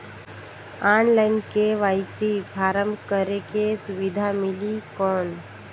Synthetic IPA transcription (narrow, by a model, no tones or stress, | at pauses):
aːnlaːɪnkeʋaːɪsipʰaːɾəmkəɾekesʊʋɪd̪ʱamɪlikɔːn